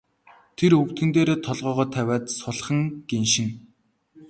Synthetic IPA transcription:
t̪ʰerɵwt̪ɡɘ̆nt̪eːɾoːt̪ʰɔɮʁœːʁɔːt̪ʰæwʲaːt̪sʊɮχə̆ŋɡ̥enʃɪ̆ŋ

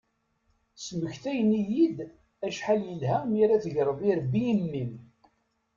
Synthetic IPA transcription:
sməçθæjənijid̪ | æʃħaljəlɦæmiɾæθʝɾˤəðˤiɾbːijəmːim

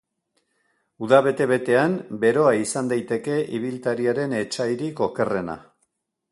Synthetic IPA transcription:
uðaβ̞e̞t̪e̞βe̞t̪e̞ambe̞ɾo̞aisand̪ajt̪e̞ke̞ʔḭβ̞ilt̪aɾiaɾe̞ne̞t͡ʃajɾiko̞ke̞re̞na̰

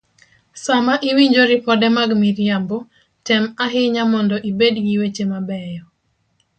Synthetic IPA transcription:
samaʔiwiɲd͡ʒoɾɪpɔdɛmaɡmiɾjambɔ | tɛmaɦɪɲamɔndɔʔibedɡiwet͡ʃemabɛjɔ

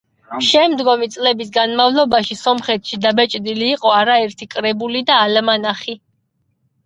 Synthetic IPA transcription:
ʃɛmd̪ɡɔmit̪sʼlɛbisɡanmavlˠɔbaʃisɔmχɛt̪ʰʃid̪abɛt͡ʃʼd̪iliːqʼɔaɾaɛɾt̪ʰikʼɾɛbulid̪aːlmanaχi

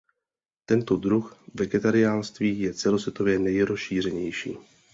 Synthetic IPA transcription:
t̪ɛnt̪o̞dɾuxvɛɡɛt̪aɾɪaːlst̪viːjɛt͡sɛlo̞svjɛt̪o̞vjɛnɛjɾosʃiːr̝ɛɲɛjʃḭː

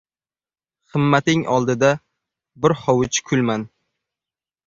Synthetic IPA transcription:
χɨmːat̪ɪŋʔɒlˠd̪ɪd̪a | bɪɾhɒwɪt͡ʃkʰʊlˠman

